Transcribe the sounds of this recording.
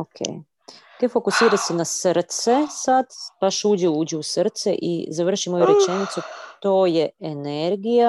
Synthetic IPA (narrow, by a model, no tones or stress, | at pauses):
okʰḛːj | t̪efo̞kusiːɾasenasr̩t̪sesad̪baʃuːd͡ʑeuːd͡ʑɛusɾt̪seʔḭzaʋr̩ʃimojuɾe̞t͡ʃenit̪sut̪o̞ːjeeneɾɡija